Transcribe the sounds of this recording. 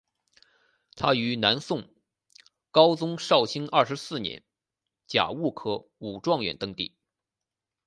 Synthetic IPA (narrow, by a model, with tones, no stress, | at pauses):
t̪ʰa˥y˧˥na˧˥nsʊ˥˩ŋ | kɑ˥ʊt͡sʊ˥ŋʂɑ˥˩ʊt͡ɕʰi˥ŋɐ˥˩ʂɻ̩˧˥sɹ̩˥˩njɛ̰˧˥n | t͡ɕja̰˨˩u˥˩kʰɤ˥ | u˨˩ʈ͡ʂwɑ˥˩ŋɥɛ̰˨˩nt̪ɤ˥ŋt̪ḭ˥˩